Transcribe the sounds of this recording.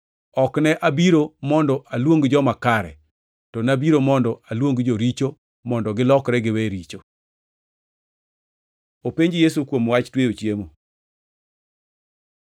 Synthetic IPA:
ɔknɛʔabiɾomɔndɔʔalwoŋɡd͡ʒɔmakaɾɛ̰ | tɔnabiɾomɔndɔalwoŋɡd͡ʒoɾit͡ʃo | mɔndɔɡɪlɔkɾɛɡɪwɛɾit͡ʃo | opeɲd͡ʒjes̬ukwomwat͡ʃtweot͡ʃjemo

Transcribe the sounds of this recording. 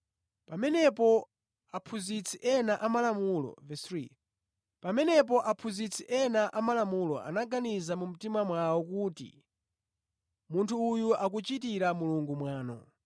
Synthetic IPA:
pamɛnɛpɔ | apʰuzit͡sʰiʔɛnaʔamalamulɔ̰vɛstɾi | pamɛnɛp̬ɔʔapʰuzit͡sʰiʔɛnaʔamalamulɔ̰a̰naɡanizamum̩timamwawɔkutḭ | muntʰuːjuʔak̬ut͡ʃit̬iɾamuluŋɡumwaːnɔ̰

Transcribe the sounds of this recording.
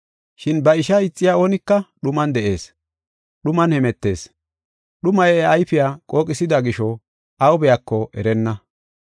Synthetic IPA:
ʃɪnbɐɪʃɐɪt͡sʼːɪjaːo̞ːnɪkːɐɗʊmɐnd̪ɛʔe̞ːs | ɗʊmɐnhɛmɛt̪ːe̞̰ːs | ɗʊmɐjɛɐjfɪjaːkʼo̞ːkʼɪsɪd̪ɐɡɪʃɔ | ʔɐwbɛjakːɔʔɛ̰ɾɛnːɐ

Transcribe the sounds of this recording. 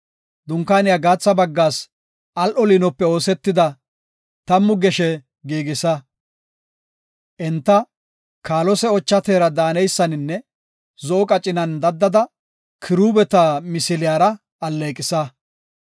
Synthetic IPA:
d̪ʊŋkaːnɪjaːɡaːt͡sːɐbɐɡːaːs | ʔɐlʔɔlinɔpːɛo̞ːsɛt̪ːɪd̪ɐ | t̪ɐmːʊɡɛʃɛ | ɡiːɡɪsɐ | ʔɛnt̪ːɐ | kaːlɔsɛɔt͡ʃːɐt̪eːɾɐd̪aːnɛjsːɐnɪnːɛ | zɔʔɔkʼɐt͡ʃʼːɪnɐnd̪ɐd̪ːɐd̪ɐ | kʰɪɾuːbɛt̪amɪsɪlɪjaːɾɐ | ɐlːeːkʼɪsɐ

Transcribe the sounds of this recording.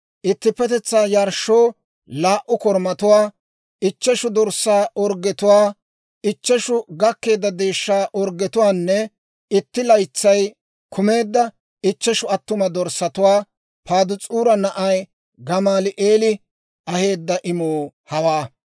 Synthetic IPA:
ʔɪt̪ːɪpːɛt̪ɛt͡sːaːjɐɾʃːoː | laːʔʊkɔɾmɐt̪ʊwaː | ɪt͡ʃːɛʃʊd̪ɔɾsaːʔɔɾɡɛt̪ʊwaː | ɪt͡ʃːɛʃʊɡɐkːe̞ːd̪ːɐd̪e̞ːʃːaːʔɔɾɡɛt̪ʊwaːnːɛ | ɪt̪ːɪlɐjt͡sːɐj | kʰʊme̞ːd̪ːɐ | ɪt͡ʃːɛʃʊɐt̪ːʊmɐd̪ɔɾsɐt̪ʊwaː | paːd̪ʊt͡sʼuːɾɐnɐʔɐj | ɡɐmaːlɪʔeːlɪ | ʔɐhe̞ːd̪ːɐʔɪmoː | hɐwaː

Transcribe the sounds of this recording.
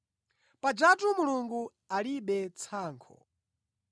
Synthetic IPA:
pad͡ʒatumuluŋɡu | aliɓɛt͡sʰaːŋkʰɔ̰

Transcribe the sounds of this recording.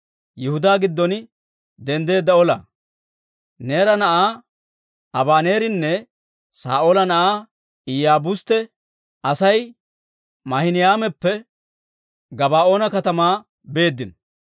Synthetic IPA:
jɪhʊd̪aːɡɪd̪ːɔn | d̪ɛnd̪e̞ːd̪ːɐɔlɐ̰ | ne̞ːɾɐnɐʔaː | ɐbaːne̞ːɾɪnːɛ | sa̰ːʔoːlɐnɐʔaː | ɪjaːbʊst̪ɛ | ɐsɐj | mɐhɪnɪjaːmɛpːɛ | ɡɐbaːʔo̞ːnɐkɐt̪ɐmaː | be̞ːd̪ːɪn

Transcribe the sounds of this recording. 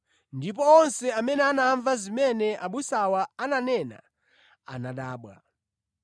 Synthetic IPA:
ndip̬ɔːnsɛamɛnɛanaɱvazimɛnɛʔaɓusawaananɛna̰ | a̰naɗaːɓwa̰

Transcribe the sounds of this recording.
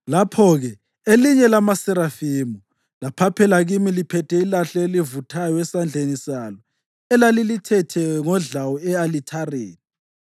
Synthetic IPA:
lapʰɔɣɛ | eliɲɛlamasɛɾafimu | lapʰapʰɛlaɣimilipʰɛtʰɛilaɬɔelivutʰajɔɛsand͡ɮʱenisalɔ | ɛlalilitʰɛtʰɛŋɔɮawɔɛalitʰareːni

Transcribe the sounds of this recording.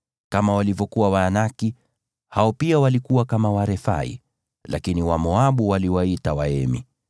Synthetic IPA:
kamawalivɔkuwawaːnaki | haɔpiawalikuwakamawaɾɛfa̰ḭ | la̰kiniwamɔaɓuwaliwaitawaɛmḭ

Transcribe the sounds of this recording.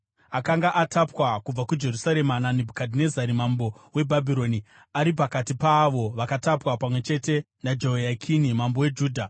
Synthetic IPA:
akaŋɡaʔatʰapwakub͡vakud͡ʒe̞rusaɾe̞mananibʱukadʱine̞zaɾimambo̞we̞bʱabʱiɾo̞ni | aɾip̬akatipaʋo̞ʋakatapwapamwe̞t͡ʃe̞te̞ | nad͡ʒoojakʰinimambo̞we̞d͡ʒuːdʱa

